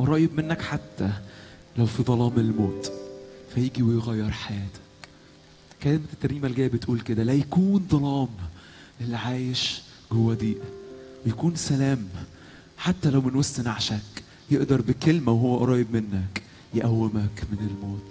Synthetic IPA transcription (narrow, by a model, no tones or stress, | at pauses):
ʔɑɾˤɑːjebmenːækħat̪ːæ | læwfiðˤɑlɑːmelmoːt̪fæjeːɡiwejɣæjːeɾˤħajæːt̪æ̥k | kælemt̪ːæɾniːmælɡæjːæbet̪ʔuːlked̪ælæjækuːnd̪ˤɑlɑːm | ʔelːiʕaːjeʃ | ɡowːæd̪iːʔwejækuːnsælæːm | ħat̪ːælæwmenwosːnaʕʃæk | jeʔd̪ɑɾˤbekelmæweɦowːæʔɑɾˤɑːjebmenːæk | jeʔæwːemækmenelmoːt̪